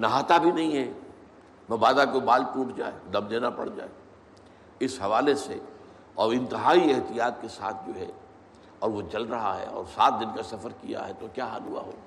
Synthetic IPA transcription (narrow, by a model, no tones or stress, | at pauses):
nɐɦaːt̪abʱinɐɦĩɦɛ | mɐbaːd̪akobaːlʈuːʈʰd͡ʒa̰ːed̪ɐ̃md͡ʒeːnapɐ̰ɽd͡ʒa̰ːe | ɪsɦɐʋaːlese | ɔːɾɪ̃nt̪ɪɦaːiɛɦt̪ijaːt̪̚kesa̰ːt̪̚ʰd͡ʒoːɦɛ̰ | ɔːɾʋot͡ʃɐlɾɐɦa̰ɦɛ̰ɔ̰ːɾsaːt̪̚d̪ɪnkasɐfəɾkija̰ɦɛt̪okjaːɦa̰ːlɦua̰ɦo̰ː